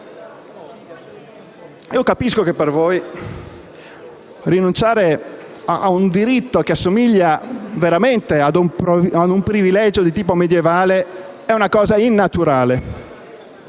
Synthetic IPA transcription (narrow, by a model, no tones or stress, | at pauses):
iːokapiskokepːervoːj | rinunt͡ʃaːɾe | aund̪iɾit̪ːok̟easːomiʎːaveɾament̪ead̪umad̪umpɾivilɛd͡ʒod̪it̪iːpomed̪jevaːle | ɛunakɔːzainːat̪uɾaːle